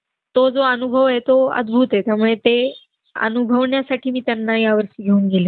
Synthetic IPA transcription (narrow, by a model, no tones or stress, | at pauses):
t̪od͡zoənubʱəʋet̪oə̰d̪bʱut̪ɦet̪jamuɭet̪e | ə̰nubʱəʋɳjasaʈʰiːmiːt̪janːajaʋəɾɕiɡʱeuːnɡeljo